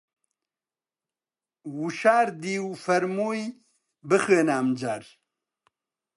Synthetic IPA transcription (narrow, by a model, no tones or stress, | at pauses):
wuʃaːɾd̪iːwfɐɾmuːj | bɨxəːnaːmd͡ʑaːɾ